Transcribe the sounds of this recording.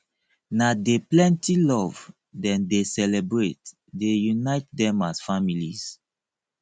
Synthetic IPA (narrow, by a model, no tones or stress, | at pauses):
nadeplɛ̃ntilɔv | dɛ̃ndesɛlebɹet | dejunaɪt̚dɛ̃masfamiliz